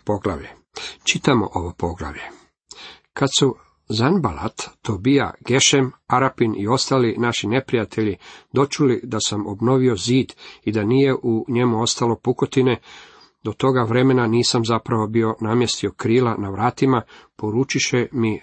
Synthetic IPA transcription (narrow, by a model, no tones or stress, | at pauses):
po̞ɡla̰ʋje | t͡ʃit̪amo̞̰ʔo̞ʋo̞po̞ɡla̰ʋʎe̞ | kad̪su | zanbala̰t̪ːobija̰ɡ̥e̞ʃemaɾapinio̞st̪aːlinaʃine̞pɾijat̪ʰeʎid̪o̞t͡ʃulid̪asamo̞bno̞ʋio̞ziːd̪id̪anije̞ʔuɲe̞muo̞st̪alo̞puko̞t̪ine̞ | d̪o̞t̪o̞ɡaʋɾe̞me̞naniːsamzapɾaʋo̞bio̞naːmje̞st̪io̞kɾiːlanaʋɾaːt̪imapo̞ɾuːt͡ʃiʃemi